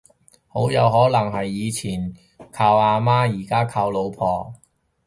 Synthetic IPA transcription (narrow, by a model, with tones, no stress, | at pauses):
ho˨˥wjɐ˨˧wɦɔː˨˥lɐ˨˩ŋɦɐ˨jːiː˨˧t͡sʰiː˨˩n | kʰaː˧waː˧maː˥jiː˨˩kaː˥kʰaː˧wlo˨˧wpʰɔː˨